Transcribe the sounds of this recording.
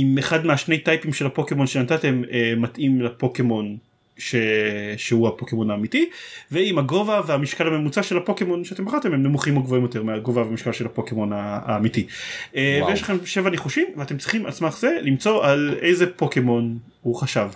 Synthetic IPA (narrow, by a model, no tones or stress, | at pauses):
imeχadmeaʃne̞jtajpimʃe̞lhapo̞kemo̞nʃenantate̞meːatimlapo̞ke̞mo̞n | ʃeʃeuhapo̞kemo̞naːmitiveimaɡo̞vaveamiʃkalame̞mut͡saʃe̞lapo̞kemo̞nʃeatembaχaʁt̪e̞mhemnemuχimo̞ɡvo̞imjo̞teʁmeaɡo̞vaveamiʃkalʃe̞lhapo̞kemo̞naːmitievejeʃlaχe̞mʃe̞vaneχuʃimveate̞mt͡sʁiχimat͡smaχze̞limt͡so̞ʔalʔejzepo̞kemo̞n | huχaʃav